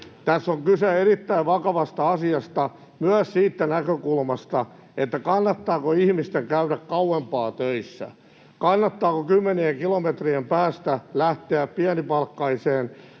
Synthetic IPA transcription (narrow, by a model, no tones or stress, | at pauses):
t̪æsːoŋkyseerit̪ːæiʋʋɑkɑʋɑst̪ɑɑsiɑst̪ɑ | myæssiːt̪ːænækøkulmɑst̪ɑ | et̪ːækɑnːɑt̪ːɑːkoihmist̪eŋkæyɾækkɑwempɑːt̪øisːæ̰ | kɑnːɑt̪ːɑːkokymːenieŋkilomet̪riempæːst̪ælæht̪eæppiænipɑlkːɑiseːn